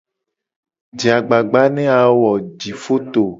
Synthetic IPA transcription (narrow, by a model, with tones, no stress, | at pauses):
d͡ʒi˨a˨ɡ͡ba˨ɡ͡ba˦nɛ̃˦a˨wɔ˨d͡ʒi˨fo˦t̪o˨